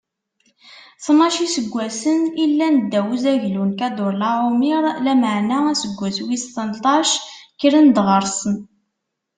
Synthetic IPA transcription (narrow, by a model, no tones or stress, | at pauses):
θmɑʃisəɡʷːæsənilːænəd̪ːæwəzæʝlunkæd̪oɾlɑʕʊmiɾˤlæməʕnææsəɡʷːæswist̪ənt̪ˤɑʃkɾənd̪ʁəɾˤsən